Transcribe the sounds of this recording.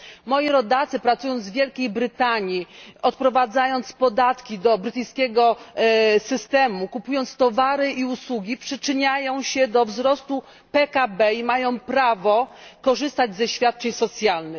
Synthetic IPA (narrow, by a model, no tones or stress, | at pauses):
mɔjiɾɔd̪at̪sɘpɾat̪sujɔnd̪zvʲjɛlkʲejbɾɘt̪aɲiɔt̪̚pɾɔvad̪zajɔnt̪spɔd̪at̪kʲid̪ɔbɾɘt̪ɘjskʲɛɡɔ | sɘst̪ɛmukupujɔnt̪st̪ɔvaɾɘʔiuswuɡʲipʂɘt͡ʂɘɲajɔ̃w̃ɕɛd̪ɔvzɾɔst̪u | pɛkabɛimajɔ̃w̃pɾavɔkɔʐɘst̪ad͡ʑzɛɕfʲjat̪̚t͡ʂɛɲsɔt̪sʲjalnɘ